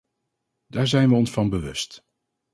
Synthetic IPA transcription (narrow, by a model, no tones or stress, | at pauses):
d̥aːɹzɛjnʋəɔnsfɑnbəʋɵst